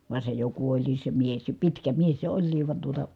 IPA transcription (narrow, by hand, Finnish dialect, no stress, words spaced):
ʋɑˑe se jo kuolʲliːs se mies jɑ pitkæ mies se olʲliːʋ ʋɑn tuotɑ